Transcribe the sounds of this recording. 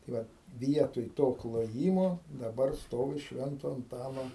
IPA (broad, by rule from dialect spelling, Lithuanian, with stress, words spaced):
tɐɪ ˈʋɐt ˈʋʲiɛtoːj ˈtoː klˠoːˈjiːmoː dɐˈbɐr ˈstoːʋʲɪ ˈʃʲʋʲɛntoː ɐnˈtɑːnoː